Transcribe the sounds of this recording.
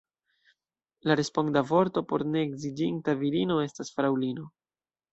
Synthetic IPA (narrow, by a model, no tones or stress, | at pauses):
laɾe̞spo̞ŋdavo̞ɾto̞po̞ɾne̞ːɡzid͡ʒintaviɾino̞e̞stasfɾawlino̞